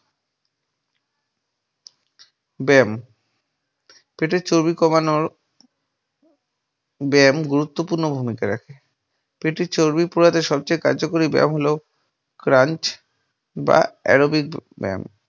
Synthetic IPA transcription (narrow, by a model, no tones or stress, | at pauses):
bɛm | peʈeɾt͡ɕoɾbikɔmanoɾ | bɛmɡuɾut̪ːopuɾnobʱumikaɾakʰe | peʈeɾt͡ɕoɾbipuɾat̪eʃɔbt͡ɕajkaɾd͡ʑokoɾibɛ̰mɦolo | kɾant͡ɕ | ba̰ɛ̰ɾobik̚bɛ̰m